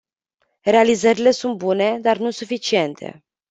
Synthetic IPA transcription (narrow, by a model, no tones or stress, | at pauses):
re̞alizəɾile̞sunt̪̚bune̞d̪arnusufit͡ʃie̞nt̪ʰe̞̰